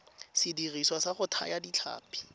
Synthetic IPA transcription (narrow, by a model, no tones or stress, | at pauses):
sɪdiriswasaχʊtʰa̰jadit͡ɬʰa̰ːpʰi̥